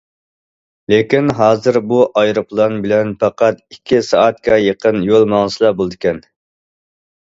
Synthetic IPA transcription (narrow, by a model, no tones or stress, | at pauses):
lekʲinɦɑːzɨɾbuʔɑjɾɨplˠɑnbɪlɛnpʰɑqɑt̪ikʲʰːisɑːt̪̚kʲɑjeqʰənjolˠmɑŋˠɨslˠɑbolˠd̪ɨkʲʰɛn